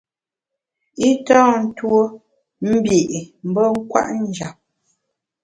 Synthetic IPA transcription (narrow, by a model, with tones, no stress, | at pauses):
i˦tɔː˦˨n̩˦two˦ | m̩˦bje˨ʔm̩˨˦bə˦ŋ̩˦kwa̰˦ʔn˦d͡ʒa˨p̚